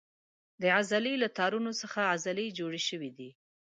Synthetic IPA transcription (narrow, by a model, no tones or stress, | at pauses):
d̪əazalelat̪ɑɾunosəxaazaled͡ʒoɽeʃəwid̪i